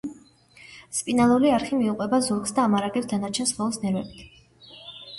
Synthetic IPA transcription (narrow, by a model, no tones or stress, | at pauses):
spʼinalˠuliaɾχimiuqʼwɛbazuɾksd̪aːmaɾaɡɛpsd̪anat͡ʃʰɛnsχɔlˠɔsnɛɾvɛbit̪ʰ